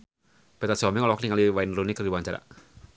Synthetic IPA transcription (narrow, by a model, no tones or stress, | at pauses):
b̥ɛt̪aswamiŋɔlɔwakniŋaliwaɪnrunikərdiwaɲt͡ʃaɾa̰